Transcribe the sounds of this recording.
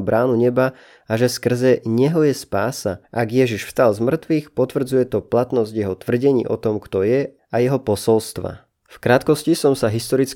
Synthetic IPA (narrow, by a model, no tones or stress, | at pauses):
bɾʔaːnuɲɛba | aʒɛskr̩zɛɲɛɦɔjɛspaːsaʔaɡjɛʒiʃfst̪alzmr̩t̪ʋiːxpɔt̪ʋr̩d͡zujɛt̪ɔplat̪nɔzɟjɛɦɔt̪ʋr̩ɟɛɲḭːʔɔt̪ɔmkt̪ɔjɛ | ajɛɦɔpɔsɔlst̪ʋa̰ | fkɾat̪kɔscisɔmsaɦist̪ɔɾit͡s